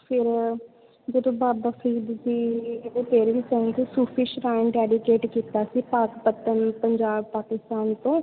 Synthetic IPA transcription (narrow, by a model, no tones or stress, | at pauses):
pʰɪɾ | d͡ʒeːd̪õːbaːbəkʰɾiːd̪siːeːd̪ẽːt̪eːɾʋiːt͡ʃəɦɡisuːpʰɪʃɾaːɪɳɖɛːɖɪkeːʈkiːt̪aːsiːpaːkpət̪ənpəɲd͡ʒaːbpaːkɪst̪aːnt̪õː